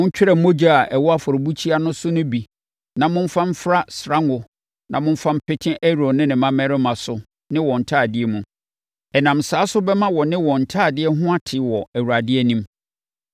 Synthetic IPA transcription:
mʊ̃˦n̩˦t͡ɕᶣɪ˦ɾɛ˨mo˦d͡ʑa˦a˨ʔɛ˨wɔ˦a˦fʊ˨ɾbu˦t͡ɕʰi˦a˦nʊ̃˦sʊ˦nʊ̃˦bi˨ | nã˨mʊ̃˦m̩˦fã˦m̩˦fɾa˦sɾã˦ŋʊ˨ | nʔã˨mʊ̃˦m̩˦fã˦m̩˦pʰɪ˦tʰɪ̃˦ʔɛ˦ɾo˨nɪ̃˦nɪ̃˨mã˦mɛ˦ɾɪ˦mã˨sʊ˨ | nɪ̃˦wɔ̃˨n̩˨tʰaː˦˨dɪ˦ɛ˦mũ˨ | ɛ˨nã˨msaː˨˦sʊ˦bɛ˦mã˦wɔ˨nɪ̃˦wɔ̃˨n̩˨tʰaː˦˨dɪ˦ɛ˦ɦʊ̃˦a˦tʰɪ˨˦wɔ˨æ˨wu˨ɾa˨dɪ˦ɛ˦nĩ˦m

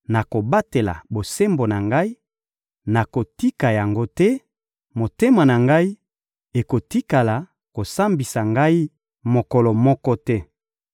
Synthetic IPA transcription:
na˨ko˨ba˦te˨la̰˨bo˨se˦mbo˨na˨ŋɡa˦i˦ | na˨ko˨ti˦ka˨ja˨ŋɡo˦tɛ˦ | mo˨te˦ma˨na˨ŋɡa˦i˦ | e˨ko˨ti˦ka˨la˨ | ko˨sa˦mbi˨sa˨ŋɡa˦i˦ | mo˨kɔ˨lɔ˨mɔ˦kɔ˦tɛ˦

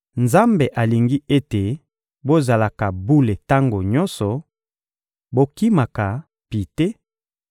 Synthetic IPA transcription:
nza˦mbe˨ʔa˨li˨ŋɡi˦e˦te˨ | bo˦za˨la˨ka˨bu˦le˨ta˦ŋɡo˨ɲɔ˦nsɔ˨ | bo˦ki˦ma˨ka˨ | pi˨te˦

